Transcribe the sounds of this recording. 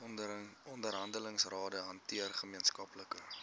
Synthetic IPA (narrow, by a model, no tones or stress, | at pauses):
ɔndəɾɦɐndələŋsrɑːdəɦɐntiərχəmiənskɐpləkə